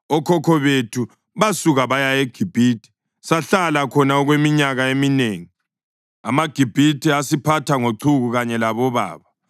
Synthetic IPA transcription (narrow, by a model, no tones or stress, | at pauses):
ɔkʰɔkʰɔβetʰu | βasuɣaβajajeɡ̥ʱib̥ʱiːtʰi̥ | saɬalakʰɔnaɔɣwemiɲaɣaemineːŋi | amaɡ̥ʱib̥ʱitʰɛasipʰatʰaŋoǀʰuɣuɣaɲɛlaβɔβa̰ːβa